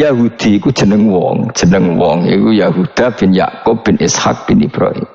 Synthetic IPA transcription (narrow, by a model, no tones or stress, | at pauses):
jaɦud̪̥iku̥d͡ʒ̥ənəŋwɔŋd͡ʒ̥ənəŋwɔŋḭkujaɦud̪̥ab̥inja̰ʔkop̚b̥inʔɪsha̰k̚b̥inibɾɔ̰j